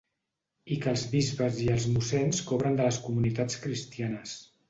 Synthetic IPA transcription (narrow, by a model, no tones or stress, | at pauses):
ikəlˠzβizβəziəlˠzmusɛnskoβɾənd̪ələskumunit̪at͡skɾist̪ianəs